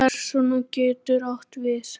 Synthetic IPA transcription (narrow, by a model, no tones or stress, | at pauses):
ɛɾsɔnucɛːt̪ʏɾɔht̪vɪθ